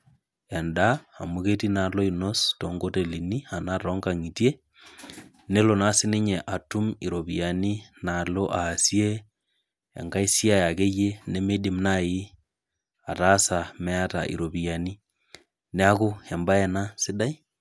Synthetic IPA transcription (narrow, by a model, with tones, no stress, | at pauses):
ɛ˨nda˦a˨muke˦ti˦na˨lo˦i˨nɔ˦stoŋɡo˦te˨li˨ni˦a˨na˦ɾɔ˦ŋɡa˨ŋi˨ti˦e˦ | ne˦lo˨na˦sɪ˦ne˦ɲɛ˨ʔa˨tu˦mḭ˨ɾo˨βi˨a˨ni˦na˨lo˦ʔaː˨si˦e˦ | ḛ˨ŋɡa˦i˦si˦a˦ja˨ke˦je˦ne˦me˦di˦mna˦ɪ˦ | a˨ta˦sa˨mɛ˦a˦ta̰˨ʔḭ˨ɾo˨βi˨a˨ni˦ | ne˦a˦ko˦hɛ˨mba˦ɛ˨na˦sɪ˦da˦i˦